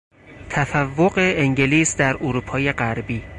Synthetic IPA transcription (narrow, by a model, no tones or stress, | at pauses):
t̪ʰæfævːoɢeeŋɟeliːsd̪æɾʔoɾuːpʰɒːje̞ɢæɾbiː